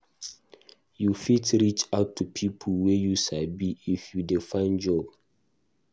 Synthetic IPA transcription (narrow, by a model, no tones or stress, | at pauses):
jufitɹit͡ʃaʊtʰːupʰipʰəlwɛjusabiifjudefãnd͡ʒɔb